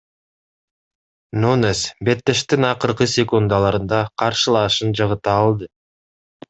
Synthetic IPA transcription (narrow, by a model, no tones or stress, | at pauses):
nunesbe̞t̪ːe̞ʃt̪inɑqɯɾqɯsʲekund̪ɑlˠɑɾɯnd̪ɑqʰɑɾʃɯlˠɑːʃɯnd͡ʒɑʁɯt̪ɑːlˠd̪ɯ